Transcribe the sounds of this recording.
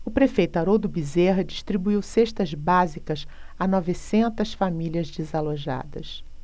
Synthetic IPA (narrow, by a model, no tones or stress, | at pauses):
ʊpɾefejt̪ʊaɾod̪ʊbizeɦɐd͡ʒiʃt̪ɾibuiwseʃt̪ɐzbazikɐs | anɔvɪsẽnt̪ɐsfamiliɐzd͡ʒizaloʒa̰d̪ɐs